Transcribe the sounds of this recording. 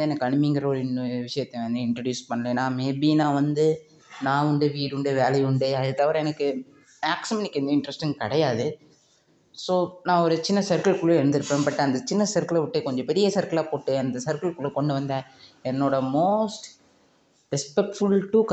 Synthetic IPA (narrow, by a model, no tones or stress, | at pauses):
ɯɛnːɐkːɐɳɯmɪŋɡɪɾɐɔɾɯɪnːɯʋɪʂɐjɐt̪ːeʋɐnd̪ɯɪɳʈɾɐɖjuːspɐɳːɐlẽːnãːmeːbinãːʋɐnd̪ɯ | nãːʊɳɖɯʋiːɾʊɳɖɯʋeːlɐjʊɳɖeːɐðɯt̪ɐʋɐɾɛnɐkːɯ | maːksɪmɐnɪkːɛnd̪ɐɪɳɖɾɛsʈɪ̃ŋɡkɐɽɐjaːðɯ | soːnãːɔɾɯt͡ʃɪnːɐsɐɾkɐɭkʊɭuɛɽɯnd̪ɯɾɯpːeːnpɐʈːɐ̃ɐnd̪ɐt͡ʃɪnːɐsɐɾkɐɭɐʋɪʈːekɔɲd͡ʒɔ̃pɛɾɪjɐsɐɾkɐɭaːpoːʈːeɐnd̪ɐsɐɾkɐɭkʊɭukɔɳɖɯʋɐnd̪ɐɛnːoːɽɐmoːsʈ | ɾɛspɛk̚ʈfʊɭʈuːk